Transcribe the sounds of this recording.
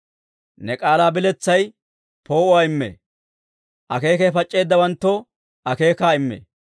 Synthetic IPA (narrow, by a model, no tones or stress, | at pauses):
nɛkʼaːlaːbɪlɛt͡sːɐj | po̞ːʊwaːɪmːḛː | ʔɐke̞ːkefɐt͡ʃʼːe̞ːd̪ːɐwɐnt̪ːɔ | ɐke̞ːkaːɪmːḛː